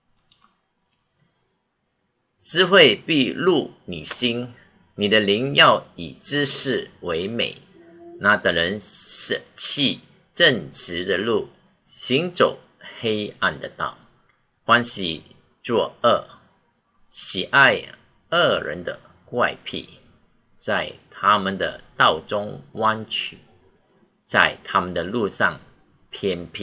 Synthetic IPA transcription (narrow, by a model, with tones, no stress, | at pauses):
t͡sɻ̩˥xwe˥˧ɪpi˥˧lu˥˩ni˨˩ɕi˥n | ni˨˩d̪ə˦li˧˥ŋjɑ˥˨ʊi˨˩ʈ͡ʂɻ̩˥ʂɻ̩˥˩we˧˥ɪmḛ˨˩˦ɪ | na˧˥t̪ə˨˩ŋlə˧˥nʂə˨˩t͡ɕʰi˥˧ | ʈ͡ʂə˥˨˩nʈ͡ʂɻ̩˧˥d̪ə˧lu˥˩ | ɕi˧˥ŋt͡so˨˩ʊ | he˥ɪa˥˧nd̪ə˨˩t̪ɑ̰˥˩ʊ | xwa˥nɕi˨˥ | t͡swɔ˥˧ə˥˩ | ɕi˨˩ʔa˥˧ɪ | ə˥˩ɻə̰˧˦nd̪ə̰˧˨ | kwa˥˧ɪpʰḭ˥˩ | t͡sa˥˩ɪt̪ʰa˥mə˨nd̪ə̰˩t̪ɑ˥˩ʊt͡sʊ˥ŋwa˥nt͡ɕʰy˨˩˦ | t͡sa˥˩ɪt̪ʰa˥mə˨nd̪ə˩lu˥˧ʂɑ˥˨˩ŋ | pʰjɛ˥npʰi˥˩